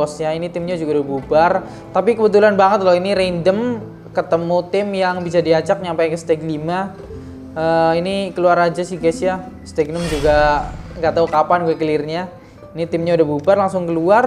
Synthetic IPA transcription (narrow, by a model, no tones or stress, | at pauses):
ɔsɲainit̪ɪmɲad͡ʒuɡaudahbubar | t̪apikəbət̪̬ulanbaŋət̪̚loiniɾendəm | kət̪əmut̪ɪmjaŋbis̬adiat͡ʃak̚ɲampajkəst̪ɛɡlima | əinikəluaɾad͡ʒasiɡasja | st̪ɛɡ̚nəmd͡ʒuɡaŋɡat̪aukapanuakəlɪrɲa | init̪ɪmɲaudahbubarlaŋsʊŋkəluar